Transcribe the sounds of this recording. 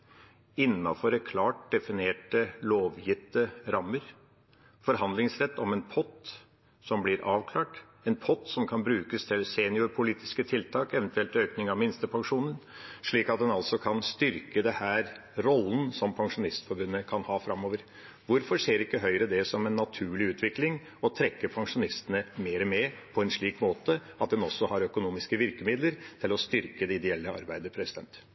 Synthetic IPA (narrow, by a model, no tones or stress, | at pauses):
ɪnːɑ̰fɔɾɛkʰlɑːʈ̚d̪ɛfɪneːʈəloːʋjɪt̪ːəɾɑmːəɾ | fɔɾɦɑnd̪lɪŋsɾɛt̪ːɔmɛnpʰɔt̪ | sɔmblɪɾʔɑːʋkʰlɑːʈ | ɛnpʰɔt̪sɔmkʰɑnbɾʉːkəst̪ʰɪlseːnɪʊɾpʰʊliːt̪ɪ̥skət̪ʰɪlt̪ʰɑːkɛʋənt̪ʰʉɛlt̪øːknɪŋɑʋmɪnst̪əpʰɑŋʂuːnənʂɭiːkɑt̪̚d̪ɛnɑlsɔkʰɑnst̪ʏɾkəd̪ɛhæːɾ | ɾɔlːnsɔmpʰɑŋʂʊnɪst̪fɔɾbʉnːəkʰɑnhɑːfɾɑmːoːʋəɾ | ʋʊɾfɔɾʂeːɾɪkːəɦœʏɾəd̪ɛsɔmɛnːɑt̪ʰʉːɭɪʉːt̪ʰʋɪklɪŋ | ɔt̪ʰɾɛkːəpʰɑŋʂʊnɪst̪ənəmeːɾəmɛpʰɔɛnʂɭiːkmoːt̪ə | ɑt̪̚d̪ɛnɔsːɔhɑɾœkʊnuːmɪskəʋɪɾkəmɪd̪ləɾt̪ʰɪlɔst̪ʏɾkəd̪ɛɪd̪ɛɛlːəɑ̰ɾbæɪd̪əpʰɾɛsɪd̪ɛ̰nt̪